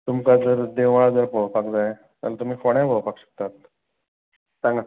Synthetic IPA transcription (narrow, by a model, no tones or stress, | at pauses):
t̪umkad͡zəɾd̪eʋaɭad͡zəɾpoɭpakd͡zaj | t̪a̰lat̪um̤iːfoɽ̃ãjboɭpakɕə̥k̚t̪at̪ | sãŋɡa